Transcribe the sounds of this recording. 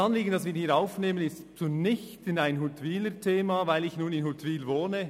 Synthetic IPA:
ɑnliːɡən̩dɑsʋiːɾhiːɾaʊfneːmənɪstt͡sunɪçtɪnaɪnɦutʰʋiːlətʰeːmavaɪlɪçnuːnɪnhut̪ʰʋiːlvoːnə

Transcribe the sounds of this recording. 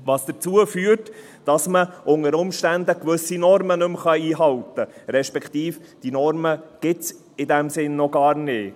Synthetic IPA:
ʋɑːsd̥ət͡suəfyːəɾt | d̥ɑsməʔʊŋəɾʊmʃtændəkʋɵsinɔɾmənɵmχɑiːɦɑltəɾɛʃpɛkt̪iːfd̥inɔɾməɡ̥ɪs | ɪdɛmsɪnːɔɡ̥ɑːrnɪː

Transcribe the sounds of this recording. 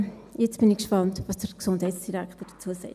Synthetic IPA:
jɛt͡sb̥ɪnɪçkʃpɑntvɑsd̥əɾksʊndhɛɪtsd̥iʁækχtəd̥ət͡suəsɛ̰ɪt

